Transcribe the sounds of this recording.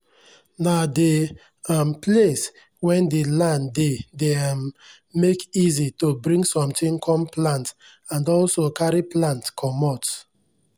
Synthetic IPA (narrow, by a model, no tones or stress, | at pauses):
nade | amples | wɛ̃ndelãndedemː | ekizitobɹĩŋɡsɔ̃mtĩŋkʰɔ̃mplãnt | ãndɔlsokaɾiplãntkʰɔmɔt